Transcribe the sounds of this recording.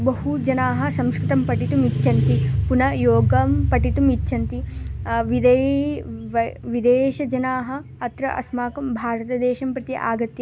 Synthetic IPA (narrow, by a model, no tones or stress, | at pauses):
bɐɦud͡ʒɐnaːɦɐ̆sɐmskɾɪt̪ɐmpɐʈit̪umit͡ʃːʃɐnt̪ipunɐjoːɡɐmpɐʈit̪umit͡ʃːʃɐnt̪iʋid̪e | ʋɐʋid̪eːʃɐd͡ʒɐnaːɦɐ̆ɐt̪ɾɐʔɐ̰smaːkɐmbʱaːɾɐt̪ɐd̪eːʃɐmpɾɐt̪iʔa̰ːɡɐt̪jɐ